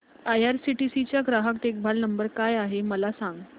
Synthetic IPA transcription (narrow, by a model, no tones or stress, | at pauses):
ajaɾsiʈisit͡ɕjaɡɾaɦəkʈ̪ek̚bʱalnəmbəɾkajaɦeməlasaŋɡ